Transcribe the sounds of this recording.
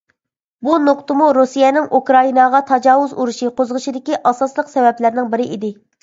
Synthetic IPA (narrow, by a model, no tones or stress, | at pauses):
bunoqt̪ʊmuɾusijɛnɪŋʔukɾɑinɑʁɑt̪ʰɑd͡ʒɑːwuzuɾuʃiqʰozʁəʃid̪ɪkʲiʔɑsɑslˠəqsɛvɛplɪɾnɪŋbɪɾɪʔid̪ɪ